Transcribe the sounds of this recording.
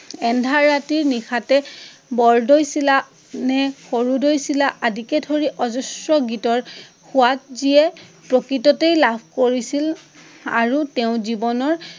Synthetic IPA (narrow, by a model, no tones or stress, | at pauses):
ɛndʱaɹːatiɹnixʰatɛbɔɹdojsila | nɛxoɹudojsilaʔadikɛdʰʱoɹiʔɔzɔsɹɔɡitɔɹ | xʊat̚ziɛpɹokɹitɔtejlabʱkoɹisil | a̰ɹutɛʊ̃zibɔnɔɹ